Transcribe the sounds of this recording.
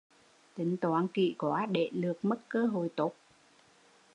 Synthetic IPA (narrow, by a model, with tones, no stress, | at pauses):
t̪ï˨˦ŋ̟t̪waː˨˦nkḭ˧˨kwaː˨˦ɗe˧˩˨lɨ˨˩ək̚mə˦˥t̚kəː˧˦ɦo˨˩jt̪o˦˥t̚